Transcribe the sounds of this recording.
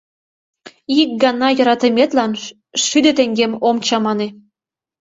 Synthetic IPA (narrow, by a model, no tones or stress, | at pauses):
ik̚ɡɑnɑjɤ̆ɾɑt̪əmʲet̪lɑn | ʃyd̪ø̆t̪eŋɡemomt͡ɕɑmɑne